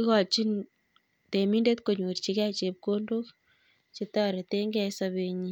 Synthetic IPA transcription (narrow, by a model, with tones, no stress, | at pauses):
ki˦kɔ˨t͡ʃi˦n | te˨mi˦nde˦tko˨ɲu˨ɾt͡ʃi˦kɛ˦t͡ʃe˨p̚ko˦ndo˦k | t͡ʃetɔ˦ɾe˨te˦ŋɡɛ˦saβe˦ɲi